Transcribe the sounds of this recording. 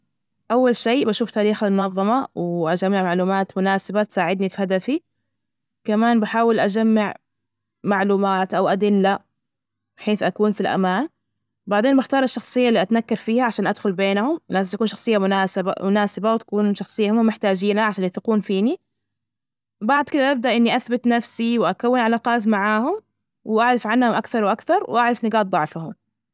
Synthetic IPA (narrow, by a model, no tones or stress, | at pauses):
ʔawːalʃeːbaʃuːft̪aːɾiːxalmʊnɑðˤːɑmɑwɪʔad͡ʒamːɪʕmaʕluːmaːt̪mʊnaːsɪbat̪saːʕɪd̪nifihad̪afi | kamaːnbaħaːwɪlʔad͡ʒamːaʕ | maʕluːmaːt̪ʔawʔad̪ɪlːa | bɪħeːθʔakuːnfilʔa̰maːn | baʕd̪eːnbaxt̪ɑːɾˤɪʃːɑxsˤɨjːalːiːʔat̪nakːɑɾˤfiːhaʕaʃaːnʔad̪xʊlbeːnahʊmnaːst̪akuːnʃɑxsˤɨjːamʊnaːsɪba̰mʊnaːsɪbawt̪ḁkuːnʃɑxsˤɨjːahʊmːʊmɪħt̪aːd͡ʒiːnaʕaʃaːnjaθɪquːnfiːni | baʕd̪ˤkɪd̪aʔab̚d̪aʔɪnːiʔaθbɪt̪nafsiwʔakawːɪnʕalaːqɑːt̪maʕaːhʊm | wɪʔaʕɾˤɑfʕanhʊmʔakθɑɾˤwʔakθɑɾˤwʔaʕɾˤɑfnɪɡaːt̪̚dˤɑʕfahʊm